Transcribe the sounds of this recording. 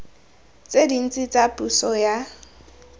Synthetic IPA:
t͡sʼedin̩t͡sʼɪt͡sʼapʼusɔja

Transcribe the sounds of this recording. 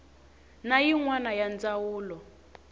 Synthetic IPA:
najiŋwanajand͡zawuːlɔ

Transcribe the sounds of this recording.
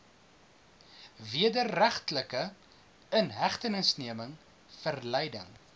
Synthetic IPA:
viədərːæχtləkə | ənɦæχtənəsniəməŋ | fərlɛjdə̰ŋ

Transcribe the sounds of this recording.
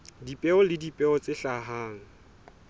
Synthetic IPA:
dipʼɛʊlɪdipʼɛɔt͡sɪɬaɦaːŋ̩

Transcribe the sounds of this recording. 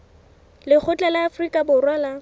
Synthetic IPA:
lɪk͡xʰʊt͡ɬʼalɪafrikʼabʊrwala

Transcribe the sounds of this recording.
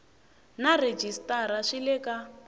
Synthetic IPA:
nared͡ʒistʼaɾaʂilɛka

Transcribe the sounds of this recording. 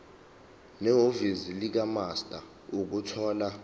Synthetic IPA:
nɛɦovizilik̬amastʼa | uk̬utʰɔːla

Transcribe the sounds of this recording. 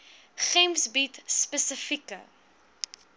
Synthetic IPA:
χɛmsbitspəsəfikə̰

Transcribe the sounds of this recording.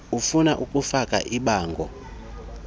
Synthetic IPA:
ufunaʔukʼufakʼa̰ʔiɓaːŋɡʱɔ̰

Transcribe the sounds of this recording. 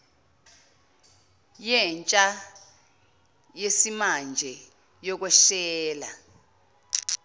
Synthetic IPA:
jɛnt͡ʃʼa | jesimand͡ʒʱɛ | jɔk̬wɛʃɛːla̰

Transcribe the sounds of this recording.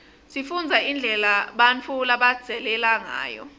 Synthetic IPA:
sifund͡zʱaind͡ɮʱɛlaɓant͡fʰulaɓad̥z̥ʱɛlɛlaŋa̰ːjɔ̰

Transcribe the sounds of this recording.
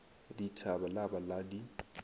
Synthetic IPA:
ditʰabalabaladi

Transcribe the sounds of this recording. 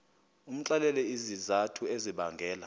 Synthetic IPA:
um̩t͡ɬʼalɛlɛizizatʰueziɓaŋɡʱɛːla

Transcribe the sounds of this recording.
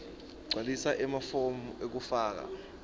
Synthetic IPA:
ɡ͡ǀʱwalisaʔɛmafomuʔek̬ufaːk̬a̰

